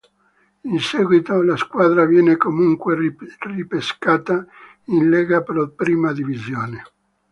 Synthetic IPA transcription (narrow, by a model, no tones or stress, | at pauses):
insɛːɡwit̪olaskwaːd̪ɾavjɛːnekomuŋkwerripeskaːt̪a | inlɛːɡapɾopɾiːmad̪ivizjoːne